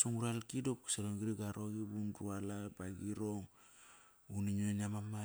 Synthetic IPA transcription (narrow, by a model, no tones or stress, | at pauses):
soŋuɾalkidop̚ki̥saɾoŋɡiɾiɡaɾoɡibunɾualabaɡiɾoŋ | uniɲueniamama